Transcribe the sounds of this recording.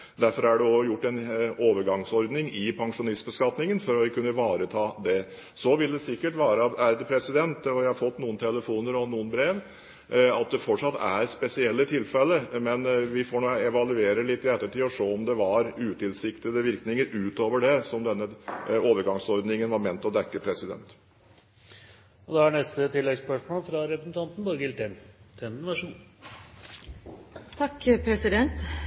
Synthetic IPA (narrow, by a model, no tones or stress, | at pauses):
d̪æɾfɔɾæɖɛɔjʊʈːɛnoːʋəɾɡɑŋsɔɾd̪nɪŋɪpʰɑŋʂʊnɪst̪̚bəskɑt̪nɪŋənfɔɾɔkʰʉnːəʋɑːɾət̪ʰɑːd̪ɛ | sɔʋɪld̪ɛsɪkːəʈʋɑːɾəæɾd̪ɛpʰɾɛsɪd̪ɛnt̪ɔjæɪhɑɾfɔt̪ːnuːənt̪ʰɛləfuːnəɾɔnuːənbɾeːʋ | ɑt̪̚d̪ɛfɔʈʂɑt̪ːæ̰ɾspɛsɪɛlːət̪ʰɪlːfɛlːəmɛnʋɪfoːɳɔɛʋɑlʉeːɾəlɪt̪ːɪɛt̪ːəʈʰiːɔʂoːɔmd̪ɛʋɑɾʉːt̪ɪlsɪkt̪əd̪əʋɪɾknɪŋəɾʔʉːt̪oːʋəɖɛsɔmd̪ɛnːəoːʋəɾɡɑŋsɔɾd̪nɪŋənʋɑɾmɛnt̪ɔd̪ækːəpʰɾɛsɪd̪ɛ̰nt̪ | ɔd̪ɛæɳɛst̪ət̪ʰɪlːɛɡspœʂmoːlfɾɑɾɛpɾəsn̩t̪ʰɑnt̪n̩bɑɾɡɪlt̪ʰɛnt̪ʰɛnnʋæʂuːn | t̪ʰɑkːpʰɾɛsɪd̪ɛnt̪